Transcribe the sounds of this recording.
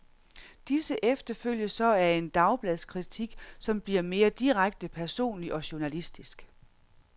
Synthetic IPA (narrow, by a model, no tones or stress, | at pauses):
d̥isəʔefd̥ɐføl̰jəsɒ̽æɐe̝nd̥ɑ̈ʊb̥lɛðˠskʰʁit͡sʰiɡ̥sɒ̽mb̥liɐ̰me̝ːɐd̥iʁaɡ̥̚d̥əpʰæɐso̝̰ːnliʔɒ̽ɕu̝ɐnælisd̥isɡ̥